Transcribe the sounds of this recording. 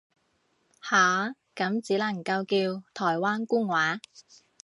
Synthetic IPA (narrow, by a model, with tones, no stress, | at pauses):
haː˨˥ | kɐ˨˥mt͡siː˨˥lɐ˨˩ŋkɐ˧wkiː˧wt̪ʰɔː˨˩jwaː˥nkuː˥ŋwaː˨˥